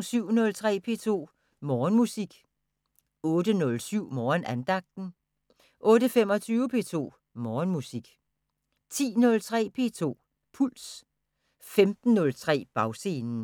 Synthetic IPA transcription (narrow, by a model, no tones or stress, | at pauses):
ŋsyʊ̰nɔ̽lt͡sʰʁɛ̰ːpʰe̝̰ːt͡sʰo̝̰ː | mɒːnmusiɡ̥ | ɔ̽ːd̥ənɔ̽lsyʊ̰mɒːnænd̥ɑ̈ɡ̥̚d̥n̩ | ʔɔ̽ːɾəfem̰ɒ̽t͡sʰyːʊəpʰe̝̰ːt͡sʰo̝̰ː | mɒːnmusiɡ̥ | t͡sʰḭːnɔ̽lt͡sʰʁɛ̰ːpʰe̝̰ːt͡sʰo̝̰ː | pʰuls | femd̥n̩ːɔ̽lt͡sʰʁɛ̰ːb̥ɑ̈ʊse̝ːnn̩